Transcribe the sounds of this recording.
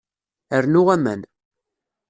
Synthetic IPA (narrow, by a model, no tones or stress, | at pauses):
əɾnʊʁæmæ̰n